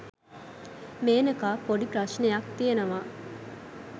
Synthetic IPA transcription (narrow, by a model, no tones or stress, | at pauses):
meːnɐkaːpoɖipɾɐʃnejɐkt̪ijenɐʋaː